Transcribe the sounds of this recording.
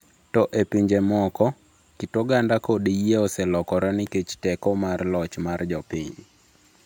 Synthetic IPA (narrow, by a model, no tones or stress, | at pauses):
tɔʔepiɲd͡ʒemɔkɔ | kitoɡandakodijeɔsɛlɔkɔɾɔnɪket͡ʃtɛkɔmarlɔt͡ʃmard͡ʒɔpɪɲ